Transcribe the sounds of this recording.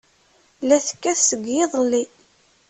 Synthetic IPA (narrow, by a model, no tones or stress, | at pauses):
læθkːæθsəɡjɪðˤlːi